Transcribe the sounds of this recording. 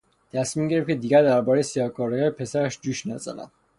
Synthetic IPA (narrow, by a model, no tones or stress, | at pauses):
t̪ʰæsminɟeɾefcʰe̞d̪iɟæɾd̪æɾbɒːɾejesijɒːkʰoɾɑɡæːɾpʰe̞sæɾæʃd͡ʒuːʃnæzæ̰næ̰m